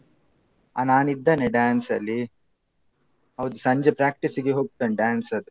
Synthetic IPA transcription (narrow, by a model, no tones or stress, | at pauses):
ɐ̰naːnid̪ːɐneɖaːnsɐlːi | ɐʋd̪usɐɲd͡ʒepɾaːk̚ʈisiɡeɦoːp̚ʈ̪ɐnɖaːnsɐd̪u